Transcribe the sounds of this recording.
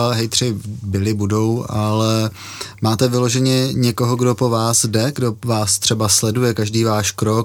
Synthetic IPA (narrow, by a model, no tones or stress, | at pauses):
ɦɛjt̪r̝̥ɪbɪlɪbudo̞walɛ | maːt̪ɛvɪlo̞ʒɛɲɛɲɛko̞ɦoɡdo̞po̞vaːsdɛɡdo̞vaːst̪r̝̥ɛbaslɛdujɛkaʒdiːvaːʃkɾok